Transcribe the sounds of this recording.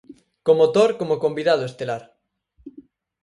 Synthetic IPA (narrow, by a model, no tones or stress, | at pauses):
komot̪oɾkomokombiðað̞oest̪elaɾ